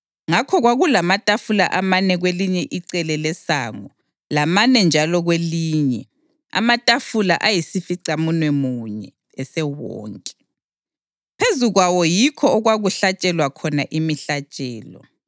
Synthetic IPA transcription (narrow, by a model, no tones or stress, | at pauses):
ŋakʰɔɣwaɣulamatʼafula̰ʔamanɛɣweliɲɛʔiǀɛlɛlɛsa̰ːŋɔ | lamanɛnd͡ʒʱalɔɣweliːɲɛ | a̰matʼafula̰ʔajisifiǀamunwɛmuɲɛ̰ː | sɛwɔ̰ːŋkʼɛ̥ | pʰezuɣwawɔjikʰɔɔɣwaɣuɬat͡ʃʼɛlwakʰɔnaʔimiɬat͡ʃʼɛːlɔ̰